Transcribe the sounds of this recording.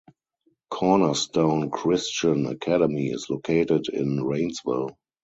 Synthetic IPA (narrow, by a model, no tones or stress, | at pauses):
kʰɔnəstõʊ̃nkʰɹɪst͡ʃə̃nə̰kʰædɛmiɪ̰slokʰeɪtɪdɪ̰̃nɹẽɪ̃nsvɪ̰l